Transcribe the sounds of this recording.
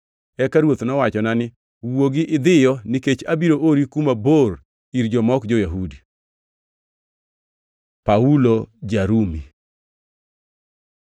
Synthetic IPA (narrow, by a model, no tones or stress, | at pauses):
ɛkaɾwot̪nɔwat͡ʃɔnanɪ | woɡɪʔɪd̪ɪjɔniket͡ʃabiɾoʔoɾikumabor | iɾd͡ʒɔmɔkd͡ʒɔjaɦudi | paulod͡ʒaɾumi